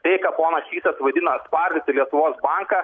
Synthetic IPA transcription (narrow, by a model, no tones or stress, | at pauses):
tʲɛɪkɐpoːnɐsʲʃʲiːsɐsʋɐd̪ʲɪnɐspɐɾʲd̪ʲɪt̪ʲɪlʲiɛt̪ʊʋoːsbɐŋkɐ